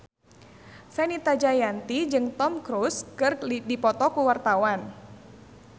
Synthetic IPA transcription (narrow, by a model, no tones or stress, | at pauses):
sɛnit̪ad͡ʒajant̪id͡ʒɨŋt̪ɔmkɾuskɨrdipɔt̪ɔkuwart̪awan